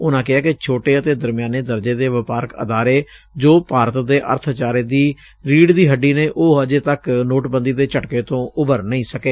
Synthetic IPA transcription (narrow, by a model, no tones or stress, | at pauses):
ʊnãːkɪaːkɪt͡ʃʰoːʈeːət̪eːd̪əɾmɪjaːneːd̪əɾd͡ʒeːd̪eːʋɪpaːɾəkə̰d̪aːɾeː | d͡ʒoːpaːɾət̪d̪eːʔə̰ɾt̪ʰt͡ʃaːɾeːd̪iː | ɾiːɽd̪iːɦəɖːiːneːʔoːəd͡ʒeːt̪əknoːʈbənd̪iːd̪eːt͡ʃəʈkeːt̪õːʊbəɾnəĩːsəkeː